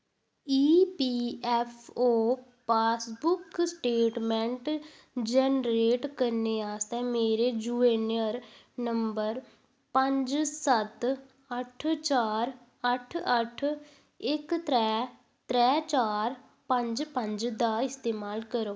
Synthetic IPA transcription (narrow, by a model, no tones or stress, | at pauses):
iːpiːɛpʰoː | paːsbʊksʈeːʈmɛ̃ɳʈ | d͡ʒɛnɾeːʈkəɾneːaːst̪ɛːmeːɾeːd͡ʒuːeːnəɾ | nəmbəɾ | pəɲd͡ʒsət̪ | əʈʰt͡ʃaːɾ | əʈʰəʈʰ | ɪkt̪ɾɛː | t̪ɾɛːt͡ʃaːɾ | pə̃ɲd͡ʒpə̃ɲd͡ʒd̪aːɪst̪eːmaːlkəɾoː